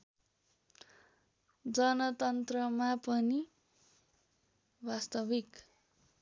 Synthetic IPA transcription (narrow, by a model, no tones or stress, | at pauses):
d͡zʌnʌt̪ʌnt̪rʌmapʌni | bast̪ʌbik